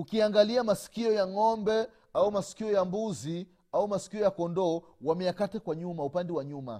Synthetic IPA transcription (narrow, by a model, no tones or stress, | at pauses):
ukiaŋɡaliamasi̥kiɔjaŋɔmbɛ | aumasi̥kiɔjambuzi | aumasi̥kiɔjakɔndɔːwamɛjakatakwaɲumaupandɛwaɲuma̰